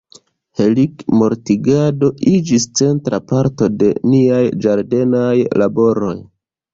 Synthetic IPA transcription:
he̞likmo̞ɾtiɡado̞id͡ʒist͡se̞ntɾapaɾto̞de̞niajd͡ʒaɾde̞najlabo̞ɾo̞j

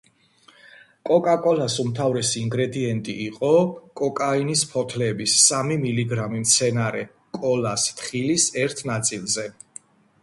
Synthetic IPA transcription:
kʼɔkʼakʼɔlasumt̪ʰavɾɛsiːŋɡɾɛd̪iɛnt̪ʼḭːqʼɔkʼɔkʼainispʰɔt̪ʰlɛːbisːamimiliɡɾamimt̪sʰɛnaɾɛ | kʼɔlast̪χilisɛɾt̪ʰnat̪sʼilˠzɛ

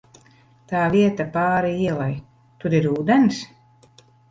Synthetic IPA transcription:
t̪aːviɛt̪apaːɾiiɛlˠaj | t̪uɾiɾuːd̪ɛns

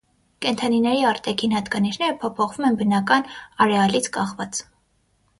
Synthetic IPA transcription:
kɛnt̪ʰɑninɛɾiɑɾt̪ɛkʰinhɑt̪ɡɑniʃnɛɾəpʰɔpʰɔχvumɛnbənɑkɑnɑɾɛɑlit͡sʰkɑχvɑt͡s

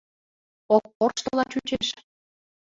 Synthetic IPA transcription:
ok̚ːorʃt̪ɤlɑt͡ɕut͡ɕeʃ

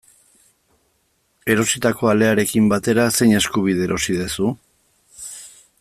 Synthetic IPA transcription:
e̞ɾo̞sit̪ako̞ale̞aɾe̞kimbat̪e̞ɾase̞jɲe̞skuβ̞iðe̞ɾo̞sið̞esu

